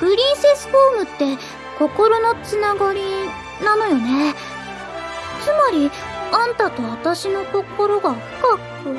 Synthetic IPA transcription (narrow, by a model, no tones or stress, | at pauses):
bɯ̟ɾʲĩːsesɨ̥ɸo̞ːmɯ̟t̪ːe̞ | ko̞ko̞ɾo̞no̞t͡sɨnaɡaɾʲi | nano̞jo̞ne̞ | t͡sɨmaɾʲi | ãnt̪at̪o̞βat̪aɕino̞ko̞ko̞ɾo̞ɡaːkɯ̥ka | o